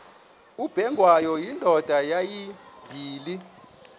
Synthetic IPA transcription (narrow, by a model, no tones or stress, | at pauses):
ub̥ʱɛŋʱwajɔjindʱɔd̥ʱajajibʱiːli